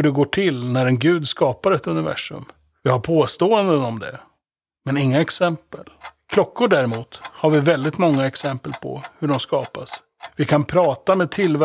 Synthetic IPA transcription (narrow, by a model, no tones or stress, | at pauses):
ɵɖɛɡoːʈʰɪlnæɾɛnɡʉ̟ːd̪skɑːpaɾɛt̪ɵnɪvæ̰ʂɵ̰m | vɪhaɾpʰoːst̪oːənd̪ənɔmd̪ɛ̰ | mɛnɪŋːaɛksɛmpəlkʰlɔkːʊɖæɾɛmuːt̪haɾvɪvɛld̪ɪt̪mɔŋːaɛksɛmpəlpʰɔ̰hɵɖɔmskɑːpas | vɪkʰanpʰɾɑːt̪amɛːd̪̚t̪ʰɪlvæ